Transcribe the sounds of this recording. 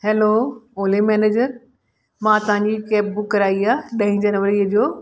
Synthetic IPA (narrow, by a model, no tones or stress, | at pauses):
hɛlooːlemɛːneːd͡ʑəɾ | mãt̪ɐʋ̤ãɲd͡ʑikɛːp̚bʊkːɐɾaːiaːɗɐ̃ĩd͡ʑɐnʋəɾiːəd͡ʑoː